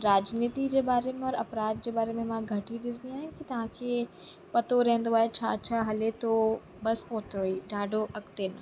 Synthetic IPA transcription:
ɾaːd͡ʑniːt̪id͡ʑeːbaːɾemẽɔɾɐpɾaːd̪̚d͡ʑeːbaːɾemẽmãɡʱɐʈiɗɪsd̪iaːɦʊ̃ɪkit̪ɐʋ̤ãkʰeː | pɐt̪oɾɛ̃ɦɪ̃nd̪oaːɦet͡ɕʰaːt͡ɕʰaːɦɐlet̪o | bɐsoːt̪ɾoiːɖaːɖʱoʔɐkt̪enɐ

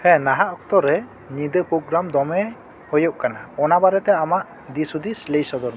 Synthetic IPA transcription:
hɛ̃naɦaʔɔkt̪ɔɾɛ | nid̪əpoɡɾamd̪ɔmɛ | hɔjɔʔkanaɔnabaɾɛt̪ɛamaʔ | d̪isud̪isləjsɔd̪ɔɾm

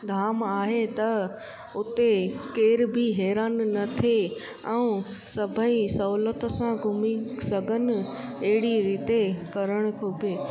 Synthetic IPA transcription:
d̪ʱaːmaːɦet̪ɐ | ʊt̪ekeːɾbʱiɦɛːɾaːnːɐt̪ʰe | ɛ̃ũ | sɐbʱəisɐuːlət̪sãɡʱʊmisɐɡʱənɪ̆ | eɦɪɽiɾiːt̪ekɐɾəɽ̃ʊ̆kʰobʱeː

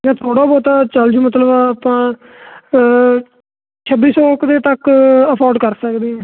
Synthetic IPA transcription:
jɛ̃ːt̪ʰoːɽaːbɔːt̪aːt͡ʃəld͡ʒũːmət̪ləbpãː | t͡ʃʰəbiːsɔːkd̪eːt̪əkəpʰɔːɾɖkəɾsəkd̪iːɛ̃ː

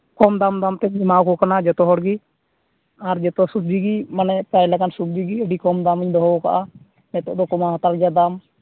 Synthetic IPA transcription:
kɔmd̪amd̪amt̪ɛɛmawkɔkanad͡ʒɔt̪ɔɦɔɽɡi | aɾd͡ʒɛt̪ɔsub̚d͡ʒiɡimanɛpɾajlɛkansub̚d͡ʒiɡiəɖikɔmd̪aməɲd̪ɔɦɔbɔka̰ʔa | mɛt̪ɔ̰ʔd̪ɔkɔmaɦat̪aɾd͡ʒad̪am

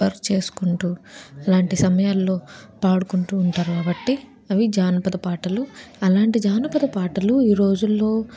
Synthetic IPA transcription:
ɐɾt͡ʃe̞ːsu̥kuɳʈuːɐlaːɳʈisɐmɐjaːlːo̞ːpaːɽukuɳʈuːɳʈaːɾukaːbɐʈːi | ɐʋid͡ʒaːnɐpɐd̪ɐpaːʈɐluɐlaːɳʈid͡ʒaːnɐpɐd̪ɐpaːʈɐluiːɾo̞ːd͡ʒulːo̞ː

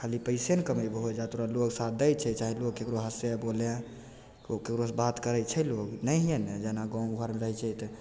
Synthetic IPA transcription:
kʰalipəɪsenkəməjbɦod͡ʒat̪oɾaloksat̪̚d̪əjt͡ʃʰɛt͡ʃaɦilokːekɾoɦəsebolẽ | kokekɾosbat̪kəɾɛt͡ʃʰɛloknəjɦened͡ʒanaɡãɡʱəɾmeɾəɦɛt͡ʃʰɛt̪

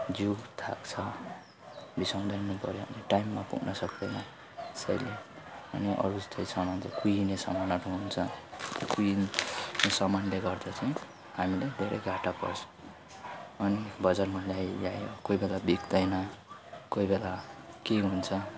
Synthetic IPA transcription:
d͡zuɡt̪ʰa̰kt͡sʰʌ | bisaw̃d̪ʌjnupʌɾjoʌ̰niʈajmːapṵɡnʌsʌkd̪ena | sʌjle | ʌ̰niʔʌ̰ɾuʌt̪ʌjsʰʌmant͡sʌkujinesʌ̰manʌʈɦuɦunt͡sʰʌt̪okujinesʌmanleɡʌrd̪at͡saĩ | hamiled̪ʱeɾʔḛjɡʱaʈapʌ̰sʰ | ʌnibʌd͡zarmalajja̰jo̰kojbelabikd̪ʌjnʌkoibelakeɦunt͡sʰʌ

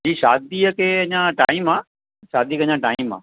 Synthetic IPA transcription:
d͡ʒiːʃa̰ːd̪ijəkeəɲãːʈa̰ːɪmãː | ʃaːd̪iːəkəɲãːʈa̰ːimːã̰ː

